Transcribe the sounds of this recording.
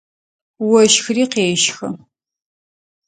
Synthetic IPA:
wɐʃxriːqeːʃxɐ

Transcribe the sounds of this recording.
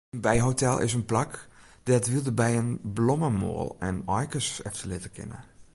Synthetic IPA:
ənbɛjɦotɛlˠɪ̰sənplak | d̥ɛtʋilˠdəbɛjənblɔməmo̰ːlˠɛnɔjkəsɛ̰ftəlɪtəkʰɪ̰nə̰

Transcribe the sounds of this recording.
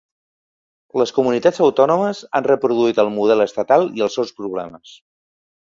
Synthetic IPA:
ləskumunit̪ad͡zəwt̪ɔnuməzanrəpɾuðuit̪əlˠmuðɛləst̪ət̪alˠiəlˠsɛwspɾuβ̞lɛ̰məs

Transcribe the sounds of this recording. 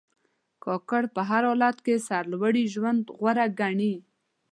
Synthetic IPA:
kɑkaɽpəɦaɾɑlat̪kesaɾlwaɽiʒwand̪ɣwaɾaɡaɳi

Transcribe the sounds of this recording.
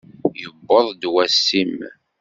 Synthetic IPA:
jəbːəðˤd̪wæsːim

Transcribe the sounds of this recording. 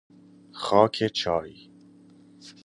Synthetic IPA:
xɒːkʰet͡ʃʰɒːɾiː

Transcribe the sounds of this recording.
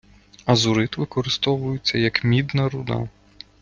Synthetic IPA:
ɐzʊɾɪt̪ʋɪkɔɾɪst̪ɔʋʊjʊt͡sʲːɐjɐkmʲid̪nɐɾʊd̪ɑ̰

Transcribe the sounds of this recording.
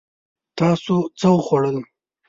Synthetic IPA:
t̪ɑsot͡səwəxwaɽəl

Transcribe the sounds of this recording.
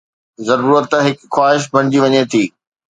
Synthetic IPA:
zɐɾuːɾət̪ɦɪkxwaːɦɪʃ̬bʱɐɽ̃ɪd͡ʑiʋɐɲet̪ʰiː

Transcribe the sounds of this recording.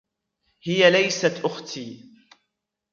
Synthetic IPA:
hɪjalajsat̪ʔʊxt̪ʰiː

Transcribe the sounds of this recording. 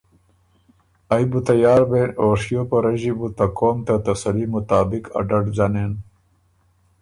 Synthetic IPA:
ajbut̪ɐjaːɾbeoɾʂijopɐɾɐʑibut̪ɐkoːmt̪at̪ɐsɐlimut̪aːbikɐ̰ɖɐʈzanen

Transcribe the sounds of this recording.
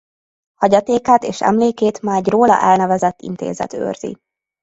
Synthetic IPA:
hɒɟɒt̪eːkaːt̪eːʃɛ̰mleːkeːt̪maːɟroːlɒ̰ʔɛlnɛvɛzɛt̪ːḭnt̪ḛːzɛ̰t̪ø̰ːrzḭ

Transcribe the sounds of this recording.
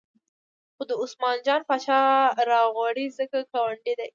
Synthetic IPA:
xod̪əʊsmɑnd͡ʒɑnpat͡ʃɑɾɑɣwɑɽizəkakawaɳɖid̪aj

